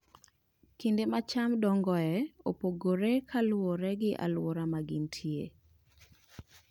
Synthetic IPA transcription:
kindemat͡ʃamdɔŋɡɔɛopoɡoɾekʰalwoɾɛɡɪʔa̰lwoɾamaɡɪntʰjḛ

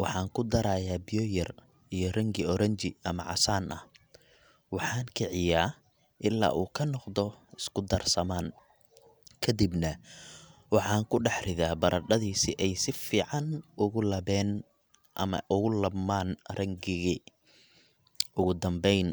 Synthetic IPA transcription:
wɑħɑːŋkʰʊd̪ɐɾaːjaːbɪjɔjɐr | ijɞrɐŋɡɪɔɾɐɲt͡ʃɪɐmɐ̰ʕɑ̰saːnʔɐh | wɑħɑːŋkʰɪʕɪjaː | ʔɪlːa̰ːʔuːkʰɐnɔqd̪ɔɪskʰʊd̪ɐrsɐmaːn | kʰɐd̪ibnɐ | wɑħɑːŋkʰʊɖɑħrɪðaːbɐɾʔɐɖɐðiːsɪʔɛjsɪfiːʕɑnʊɣʊlɐβɛːn | ʔɐ̰mɐ̰ʔʊɣʊlɐbmaːnrɐŋɡɪɣi | ʊɣʊd̪ɐmbɛjn

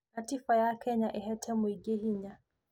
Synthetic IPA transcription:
atifajakʰɛɲaʔɪɦɛtʰɛmʊiɡeɦiɲa

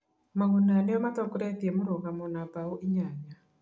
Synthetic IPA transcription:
maɣunaneɔmat̪ɔkuɾɛtiemoɾɔɣamɔnabauʔiɲaɲa

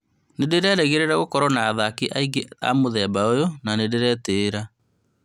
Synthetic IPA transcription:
nedeɾɛɾɛɣeɾeɾaɣokɔɾɔnaːðakiʔaiɡea̰moðɛmbaojonanedeɾɛːteːɾa

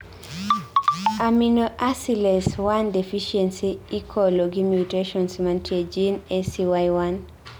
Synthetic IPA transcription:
aminoʔasilɛswandɛfiʃɛnsiikʰoloɡimjuteʃɔnsmantied͡ʒinɛsiwajwan

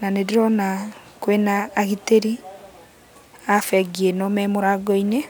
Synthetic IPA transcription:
nanediɾɔnakwenaːɣiteɾi | afɛɡienɔmɛmoɾaɡɔine

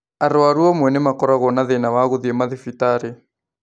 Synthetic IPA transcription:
aɾoaɾwɔmwɛnemakɔɾaɣɔnaðenawaɣoðiemaðefitaɾe

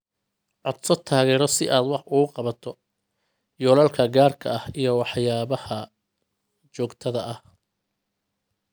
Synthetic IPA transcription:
ʕɔd̪sɔt̪ʰaːɣɛːɾɔsɪʔaːd̪wɑħʔʊɣʊqɑβɐt̪ʰɔ | jɔːlɐlkʰɐɡaːrkʰɐɐhijɔwɑħjaːβɐhɐ | t͡ʃɔːɡt̪ʰɐðɐʔɐh

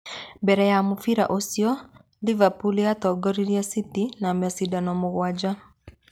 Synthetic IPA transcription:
mbɛɾɛjamufiɾa̰ʔosiɔ | livapuliatɔɡɔɾiɾiasitinamasidanɔmʊɣwad͡ʒa

